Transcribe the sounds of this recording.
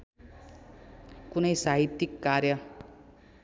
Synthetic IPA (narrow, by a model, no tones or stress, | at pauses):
kunʌjsaɦit̪ːjikːarjʌ